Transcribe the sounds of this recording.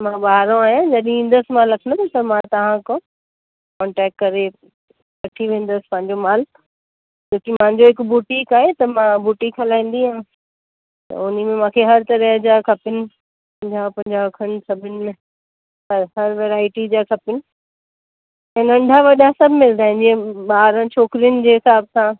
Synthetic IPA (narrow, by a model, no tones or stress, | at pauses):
mãɓaːɦɾõaːɦijãd͡ʑɐɗ̃ĩːn̆d̪əsɪmãlɐkʰənd̪t̪ɐmãt̪ɐʋ̤ãkõ | kɔ̃ːɳʈɛːk̚ʈkɐɾe | kɐʈʰiʋẽːn̆d̪əsɪ̥pɐ̃ɦɪ̃ɲd͡ʑomaːl | t͡ɕoːkimãɦɪ̃ɲd͡ʑoɦɪkbuːʈĩkaːɦet̪ɐmãbuːʈikʰɐlaːĩːn̆d̪iɦãː | t̪ɐ̰ʊnimẽmãːkʰeɦɐɾt̪ɐɾəɦd͡ʑakʰɐpɪnɪ̆ | pɐ̃d͡ʑapɐ̃ɪ̃ɲd͡ʑaɐkʰənɪ̆sɐbʱɪnɪ̆mẽ | ɦɐɾʋeːɾaːɪʈid͡ʑaːkʰɐpɪnɪ̆ | ɛ̃ːnɐ̃ɳɖʱaʋɐɗãsɐbʱmɪld̪aːɦɪ̃ndiẽɓaːɾə̃t͡ɕʰoːkɾijʊnɪ̆d͡ʑeːɦɪsaːbsã